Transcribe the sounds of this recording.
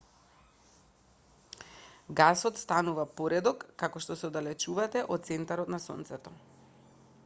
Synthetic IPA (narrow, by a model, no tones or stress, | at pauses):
ɡasɔt̪st̪anuvapoɾɛd̪ɔkːakɔʃt̪ɔsɛod̪alɛt͡ʃuvat̪ɛʔɔt̪̚sɛnt̪aɾɔt̪nasɔ̰nt̪sɛt̪ɔ